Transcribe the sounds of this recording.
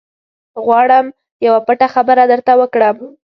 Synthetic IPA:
ɣwɑɽəm | jawapəʈaxabəɾad̪əɾt̪awəkɽəm

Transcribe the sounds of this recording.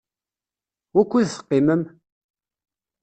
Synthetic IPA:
wækʷːiðθə̥qːiməm

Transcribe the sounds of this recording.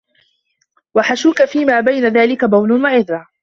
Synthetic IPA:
waħaʃuːkafiːmaːbajnaðaːlɪkabawlʊnwaʕɪðɾˤa

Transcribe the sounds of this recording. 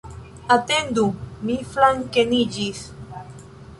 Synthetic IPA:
at̪end̪umiflaŋkenid͡ʒis

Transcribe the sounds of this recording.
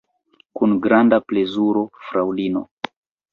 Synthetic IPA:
kunɡɾandaplezuɾɔfɾawlino̰

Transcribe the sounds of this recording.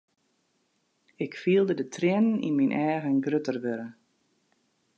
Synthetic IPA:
ɪkfiəlˠdədətʰrɪnənḭnminʔɛːɣənɡrøtərʋøɾə

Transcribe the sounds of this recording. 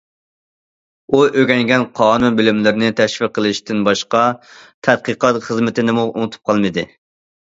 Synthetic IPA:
uʔøɡʲɛŋɡʲɛnqʰɑːnunbɪlɪmlɪɾnɪt̪ʰɛʃfɪqʰːəlˠɨʃt̪ɪnbɑʃqɑt̪ʰɛt̪̚qəqɑt̪χəzmɪt̪ʰɪnɪmuṵnɨt̪ʰu̥p̚qʰɑlˠmɨd̪ɨ

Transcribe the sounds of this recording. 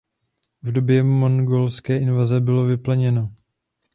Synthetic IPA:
vdo̞bjɛmonɡolskɛːʔɪnvazɛbɪlo̞vɪplɛɲɛno̞

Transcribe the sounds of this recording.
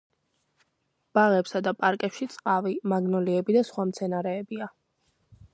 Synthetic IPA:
b̥aʁɛpsad̪apʼaɾkʼɛpʃit̪sʼqʼavimaɡnɔliɛbid̪asχwamt̪sʰɛnaɾɛːbia

